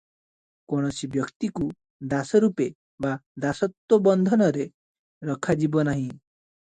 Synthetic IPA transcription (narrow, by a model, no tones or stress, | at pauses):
kɔɽ̃ɔsibjɔkt̪iku | d̪asɔɾupe | bad̪asɔt̪wɔbɔnd̪ʱɔnɔɾe | ɾɔkʰad͡ʒibɔnaɦĩ